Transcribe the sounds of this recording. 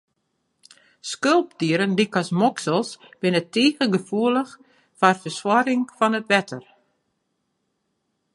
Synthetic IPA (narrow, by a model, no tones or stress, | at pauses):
skølˠpdiəɾəndikasmɔksəlˠsb̥ɪnəteːɣəɡəfuələx | farfəswɔɾɪŋfɔnətʋɛtʰər